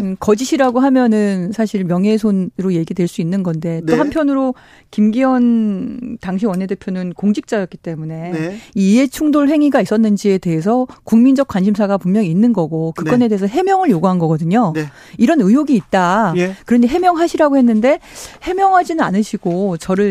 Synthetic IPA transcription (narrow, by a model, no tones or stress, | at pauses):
kʌd͡ʑiɕʰiɾaɡoɦamjʌnɯnsʰaɕʰiɭmjʌŋɦe̞sʰonɾoje̞ɡidwe̞ɭs͈uinːɯnɡʌnde̞toɦampʰjʌnɯɾo | kimɡiwʌn | taŋɕ̬ʰiwʌnɦe̞de̞pʰjonɯnkoŋd͡ʑik̚t͡ɕ͈ajʌk͈it͈e̞mune̞ie̞t͡ɕʰuŋdoɭɦe̞ŋiɡais͈ʌnːɯnd͡ʑie̞de̞ɦe̞s̬ʰʌkuŋmind͡ʑʌk̚k͈wanɕʰimsʰaɡapummjʌŋiːnːɯnɡʌɡokɯkk͈ʌne̞deesʰʌɦe̞mjʌŋɯɭjoɡuɦanɡʌɡʌdɯɲo | iɾʌnɯjoɡiːt̚t͈akɯɾʌɲiɦe̞mjʌŋɦaɕʰiɾaɡoɦe̞nːɯnde̞he̞mjʌŋɦad͡ʑinɯna̰nɯɕʰiɡot͡ɕʌɾɯɭ